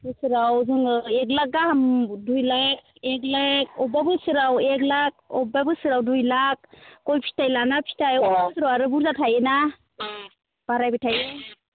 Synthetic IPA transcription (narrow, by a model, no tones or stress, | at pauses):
bɯsɯɾawzɯŋek̬̚lak̚ɡahamdujlak̚ | eklak̚ɔbabɯsɯɾawek̚lak̚ɔbabɯsɯɾawdujlak̚ːɔjpʰi̥tajlanapʰi̥tajɔbabɯsɯɾawaɾɯbuɾzatʰajena | b̥aɾajbɯtʰaje